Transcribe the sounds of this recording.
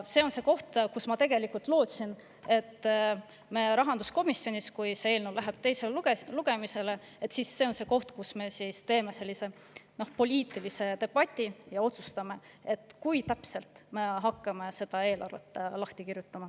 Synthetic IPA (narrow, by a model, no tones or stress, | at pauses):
se̞o̞nse̞ko̞ht̪kusmɑt̪e̞ɡ̥e̞likult̪ˑlo̞ːt̪sin | e̞t̪ː | me̞ɾɑɦɑnd̪usko̞misjo̞nʲiskujseeːlnewlæɦeb̥̚t̪e̞jseleluɡ̥e̞mise̞le̞ | et̪sisːe̞o̞nse̞ːko̞ht̪kusme̞siːst̪e̞ːme̞se̞lʲːise̞ | no̞hpo̞lʲiːt̪ˑilise̞t̪e̞b̥ɑt̪ʲːˑijɑo̞t̪su̥st̪ɑme̞ | et̪ːˑkujt̪æpse̞lt̪me̞ɦɑkːɑme̞se̞d̪ɑe̞ːlɑ̰rvḛt̪ːˑlɑht̪ikirjut̪ːˑɑmɑ